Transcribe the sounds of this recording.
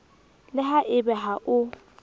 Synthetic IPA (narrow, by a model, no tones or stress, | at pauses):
lɪɦaʔɪbɛɦaʔʊ